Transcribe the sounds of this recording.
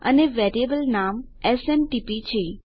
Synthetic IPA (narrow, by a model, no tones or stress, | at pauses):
ə̰neʋeɾiebəlnam | esemʈipit͡ʃʰe